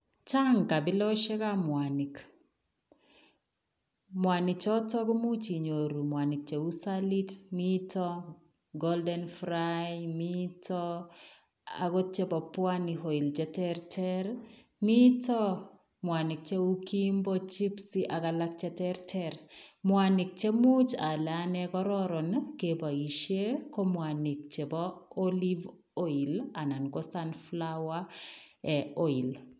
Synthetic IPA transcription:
t͡ʃa˦ŋka˨bɪ˦lɔ˦ʃɛ˦ka˦mwani˨k | mwa˨ni˨t͡ʃɔ˦tɔ˦ɡɔ˦mu˦t͡ʃi˨ɲo˨ɾu˨mwa˨ni˨k̚t͡ʃe˨u˦sali˦tmitɔ | ɡɔldɛnfɾajmitʰɔ | a̰˨ɡɔ˦tje˦pɔ˨pwa˦niɦo˨i˨ld͡ʒɛ˦tɛɾtʰɛɾ | mi˦tɔ˦ | mwa˨nɪ˨k̚t͡ʃe˦u˦kimbɔt͡ʃi˦psi˦ʔa˨kalak̚t͡ʃɛ˦tɛɾtʰɛɾmwanɪ˨k̚t͡ʃe˦mu˦t͡ʃa˨lanɛkɔ˦ɾɔɾɔ˨nkeba˨iʃje˦kɔ˦mwani˨k̚t͡ʃe˨bɔoli˦v | o˦i˨la˨na˨nɡo˦sanflawa | ɛo˦i˨l

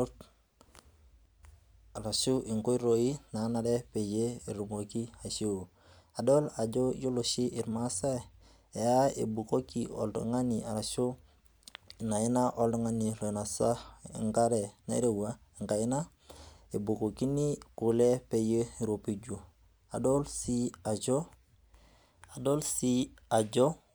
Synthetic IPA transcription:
t | a˨ɾa˨su˦ʔi˨ŋko˦i˦ɾo˨ji˦na˨˦na˨ɾe˦pe˨je˦i˨ɾu˨mo˨ki˦a˨se˦o˨ | a˨do˦la˨d͡ʒo˦jo˦lo˨ʃi˦ʔi˨ɾma˦sa˦ | e˨ja˦ḛ˨bu˨ko˦ki˨ɔ̰˨ldṵ˨ŋa˦ni˨a˨ɾa˨su˦ | na˨ji˦na˦ʔo˦ldŋa˦ni˨lo˨na˨sa̰˦˨ŋka˦ɾe˨na̰˨˦ɾe˨wa˦˨ŋka˨ji˦na˦ | e˨bu˨ko˨ki˦ni˦ku˨le˦pe˨je˦i˨ɾo˨pi˦d͡ʒu˨ | a˨do˦lsi˦a˨d͡ʒo˦ | a˨do˦lsi˦a˨d͡ʒo˦

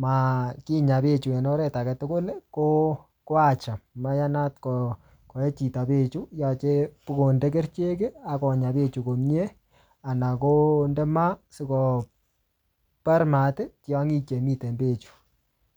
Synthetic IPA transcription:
ma˨ki˦ɲa˨pe˦t͡ʃu˨ɛ˨nɔ˦ɾɛ˦ta˨kɛ˨tʊ˦kʊ˦lko˦ | ko˦a˦˨t͡ʃa˨mma˦ja˦na˦tkɔ | ko˨e˦t͡ʃi˨ta˨pe˦˨t͡ʃu˦ja˨t͡ʃe˦pu˦ko˨nde˦ke˦ɾt͡ʃe˦ke˦a˨kɔ˨ɲa˨pe˦t͡ʃu˨ko˨mje˦ | a˨na˨ko˦ndɛ˦ma˦sɪ˦kɔ˨ | pa˦ɾma˨te˦tja˦ŋi˦t͡ʃe˨mi˦te˨mbe˨t͡ʃu̥˨

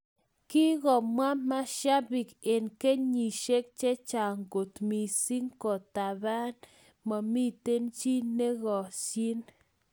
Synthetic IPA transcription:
ki˦ɣɔ˨mwa˦ma˦ʃa˦bi˨ke˨nke˦ɲi˨ʃe˦k̚t͡ʃe˦t͡ʃa˨ŋɡo˨t̪mi˨si˦ŋkɔ˨t̪a˨ba˦n | ma˨mi˦t̪e˦nt͡ʃi˦ne˦ɣɔ˨si˦n

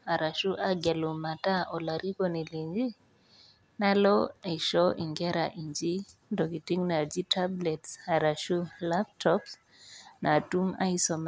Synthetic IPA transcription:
a˨ɾa˨ʃu˦ʔaɡɛ˨lɔ˨ma˨ta˦ʔɔ˨la˨ɾi˦kɔni˨li˨ɲd͡ʒi˦ | na˦lɔaiʃɔ˦ʔi˨ŋɡɛ˦ɾaʔiɲd͡ʒi˦ndɔ˨ki˨ti˦ŋna˨d͡ʒi˦tʰablɛtsa˨ɾa˨ʃu˦lap̚tʰɔps | na˨tu˦ma̰˦isɔm

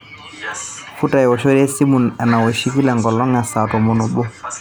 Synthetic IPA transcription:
fu˦ta˨jwɔ˨ʃo˦ɾɛ˦si˦mu˨nɛ˨na˨wɔ˨ʃi˦ki˦lɛ˨ŋɡɔ˨lɔ˦ŋa˨sa˨tɔ˨mo˨no˨ɓo˦

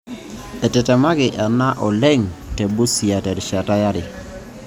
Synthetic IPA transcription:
ɛ˨tɛ˨tɛ˨ma˦ɡɪ˨ʔa˨na˦ʔɔ˨lɛ˦ŋtɛ˨bu˦si˨a˨tɛ˨ɾʃa˨ta˦ja˦ɾɪ˨

